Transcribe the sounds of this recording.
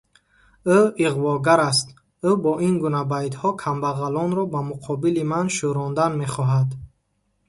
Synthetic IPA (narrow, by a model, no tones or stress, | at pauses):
uiʁvɔɡaɾast̪ | ubɔʔinɡunabajd̪hɔkʰambaʁalɔnɾɔbamuqʰɔbilimanʃuɾɔnd̪anme̞χɔɦad̪